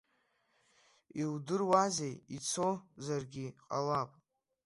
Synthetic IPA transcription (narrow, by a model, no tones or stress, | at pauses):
iwdɨrwazejit͡sʰo̞zarɡʲiqʼalapʼ